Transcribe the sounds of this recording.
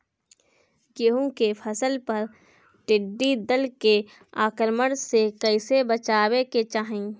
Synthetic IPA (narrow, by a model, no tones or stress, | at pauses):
jeɦõkepʰəsəlpɐɾ | ʈɪɖːid̪əlke | aːkəɾməɽsekəɪsebət͡ʃaːweket͡ʃaːɦẽː